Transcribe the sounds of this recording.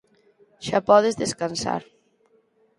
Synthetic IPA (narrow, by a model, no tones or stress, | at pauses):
ʒ̥apɔðezðeskansa̰ɾ